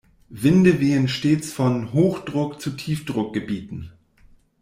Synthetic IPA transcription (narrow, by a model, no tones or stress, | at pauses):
vɪndəveːn̩ʃteːt͡sfɔnɦoːxd̥ʁʊkt͡sutʰiːfd̥ʁʊk̚ɡ̥əbiːtn̩